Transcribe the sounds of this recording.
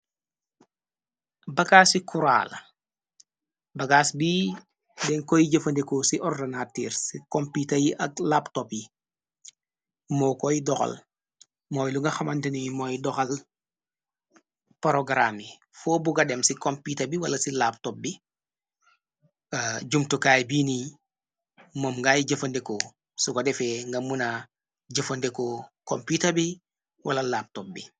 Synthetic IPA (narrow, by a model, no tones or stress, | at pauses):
bɐkasikʰuɾa̰ːl | bɐɡaːsbi | dɛŋkɔjiɟəfɐndɛkɔsiʔɔrdɐnatiːɾsikɔmpitɐjiʔɐk̚laːptɔpji | mɔːkɔjidɔxɐ̰l | mɔːjluŋɡɐxɐmɐntɐniɲmɔːjdɔxɐl | poɾoɡɾami | fɔːbuɡɐdɛmsikɔmpiːtɐbiwɐlɐsilaːp̚tɔp̚bi | əɟumtukaːjbiːni | momŋɡajiɟəfɐndekɔ | sukɔdɛfɛŋɡɐmuna | ɟəfɐndekɔkɔmpitɐbi | wʔɐ̰lɐlap̚tɔp̚bi